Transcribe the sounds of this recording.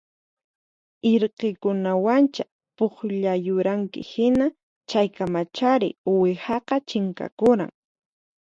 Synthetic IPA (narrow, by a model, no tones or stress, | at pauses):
eɾqekʊnawant͡ʃa | poχʎajʊɾaŋkɪ̰hɪna | t͡ʃajkamat͡ʃaɾɪ̰wehɑqɑt͡ʃɪŋka̰kʊɾa̰ŋ